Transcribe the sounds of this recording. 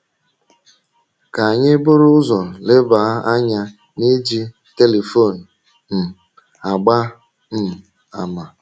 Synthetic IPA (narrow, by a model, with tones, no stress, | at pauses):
ka˨a˨ɲɪ˦bʊ˦ɾʊ˦ʊ˦zɔ˨lɪ˦ba˨˦a˦ɲa˦ | ni˦d͡ʒi˦ | te˦le˨fo˦˨n̩˨ | m̩˨ | a˨ɡ͡ba˦ | m̩˨ | a˨ma˨